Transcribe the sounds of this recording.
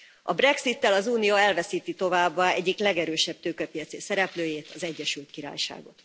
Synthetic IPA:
ɒbrɛksit̪ːɛlɒzuːnijoɛlvɛsiːt̪it̪o̞vaːbːaɛɟːiklɛɡɛɾøːʃɛb̥̚t̪øːkɛpijɒt̪seːsɛɾɛpløːjeːt̪ɒzɛɟːɛʃylt̪kiɾa̰ːjʃa̰ːɡo̞t̪

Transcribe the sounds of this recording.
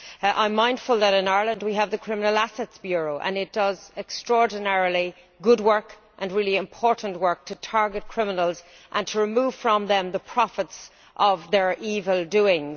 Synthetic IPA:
ʔã̰ɪ̃mːãɪ̃nd̥fəlˠðəɾɪ̃naɹlə̃nd̚wiəvðəkʰɹ̥ɪ̃mənəlasɛtsb̥jʊɹoʊʔə̰̃nɪt̚d̥ʌzɛkstɹ̥ɔɹdⁿn̩ɛɹli | ɡʊd̚wɜ˞k | ʔə̃nɹɪliɪ̃mpʰɔːɹʔn̩ʔwɜ˞k̚tʰətʰaɹɡət̚kʰɹ̥ɪmənəlˠz | ʔə̃ntʰəɹɪmuːv̥fɹə̃mðə̃mðəpʰɹ̥ɑfɪts | ʔəvðə˞ʔiːvəlˠdʉɪ̃ŋz

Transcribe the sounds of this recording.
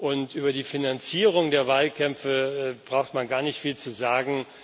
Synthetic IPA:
ʔʊntʔyːbɐdiːfinant͡siːʁ̞ʊŋdeːɐvaːlkʰɛmfəbʁaʊxtmanɡaːɐnɪçtfiːlt͡suzaːɡŋ̩

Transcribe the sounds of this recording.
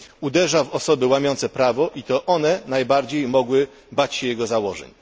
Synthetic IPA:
ud̪ɛʐavɔsɔbɘwamʲjɔnt̪sɛpɾavɔʔit̪ɔʔɔnɛnajbaɾd͡ʑejmɔɡwɘ | bat͡ɕɕɛjɛɡɔzawɔʐɛ̰ɲ

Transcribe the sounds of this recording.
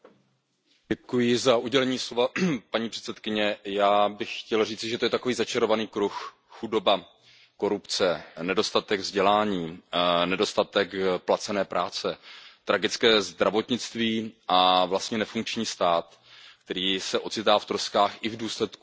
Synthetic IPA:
ɛkujɪzaʔuɟɛlɛɲiːslovapaɲiːpr̥ɛ̥t̪sɛt̪kɪɲɛjaːbɪxxcɛlriːt͡sɪʒɛt̪ojɛt̪akoviːzat͡ʃaɾo̞vaniːkɾuxː | udo̞ba | ko̞ɾupt͡sɛnɛdo̞st̪at̪ɛɡvzɟɛlaːɲiːnɛdo̞st̪at̪ɛkplat͡sɛnɛːpɾʔaːt͡sɛt̪ɾaɡɪt͡skɛːzd̪ɾavo̞t̪ɲɪt͡st̪viːʔavlast̪ɲɛnɛfuŋk̚t͡ʃɲiːst̪aːt̪ | kt̪ɛɾiːsɛʔo̞t͡sɪt̪aːft̪ɾoskaːxɪvduːslɛt̪ku

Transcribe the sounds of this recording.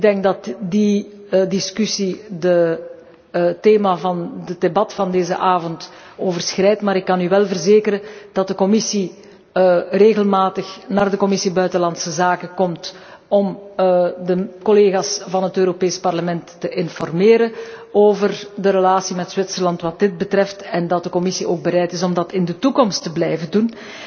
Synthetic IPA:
ɪɡ̚dɛŋɡ̚dɑtdi | dɪskysidə | teːmavɑndədebɑtfɑndeːzə̰ʔaːvɔnt | oːvərsxrɛjtmaːɾɪkːɑnyʋɛlˠvərzeːkəɾəd̥ɑt̚dəkɔmɪsi | reːɣəlmaːtəxnaːrdəkɔmɪsibœɥtəlɑnsəzaːkəkɔmt | ɔm | dəkɔleːɣaːsvɑnɦətøːɾopeːspɑrləmɛntːəʔɪnfɔrmeːɾəoːvərdəɾəlaːsimɛtz̥wɪtsərlɑntʋɑt̚dɪd̚bətrɛftɛndɑt̚dəkɔmɪsiʔoːɡ̚bəɾɛjtɪsɔmdɑtɪndətukɔmstəblɛjvədun

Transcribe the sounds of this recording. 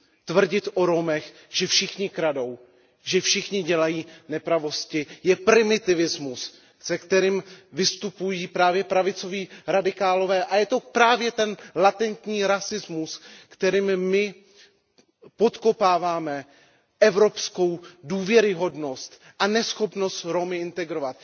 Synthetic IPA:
t̪vr̩ɟɪt̪ʔo̞ɾo̞mɛx | ʒ̥ɛfʃɪxɲɪkɾado̞w | ʒɛfʃɪxɲɪɟɛlajiːnɛpɾavo̞scɪjɛpɾɪmɪt̪ɪvɪzmus | sɛkt̪ɛɾiːmvɪst̪upujiːpɾaːvjɛpɾavɪt͡so̞viːɾadɪkaːlo̞vɛːʔajɛt̪o̞pɾaːvjɛt̪ɛnlat̪ɛnt̪ɲiːɾasɪzmuskt̪ɛɾiːmmɪ | po̞t̪ko̞paːvaːmɛ | ʔɛvɾo̞psko̞wduːvjɛɾɪɦo̞dno̞st̪ | ʔanɛsxo̞pno̞st̪ɾo̞mɪʔɪnt̪ɛɡɾo̞vat̪̚

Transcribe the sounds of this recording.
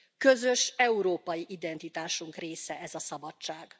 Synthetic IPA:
kø̞zø̞ʃɛuɾoːpɒjiʔid̪ɛnt̪it̪aːʃuŋkreːsɛʔɛzɒsɒbɒt͡ʃt͡ʃːaːɡ

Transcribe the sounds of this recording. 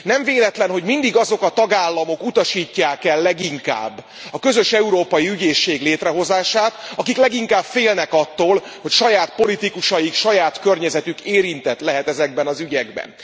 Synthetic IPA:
nɛɱveːlɛt̪lɛnɦo̞ɟmind̪iɡɒzo̞kɒt̪ɒɡaːlːɒmo̞kut̪ɒʃiːcːaːkɛlːɛɡiŋka̰ːbː | ɒkø̞zø̞ʃɛuɾoːpɒjiyɟeːʃːeːɡleːt̪rɛɦo̞zaːʃaːt̪ɒkiklɛɡiŋkaːbfeːlnɛkɒt̪ːoːlho̞cʃɒjaːt̪po̞lit̪ikuʃɒjikʃɒjaːt̪kø̞rɲɛzɛt̪ykeːɾint̪ɛt̪lɛɦɛt̪ɛzɛɡbɛnɒzyɟɛɡbɛ̰n

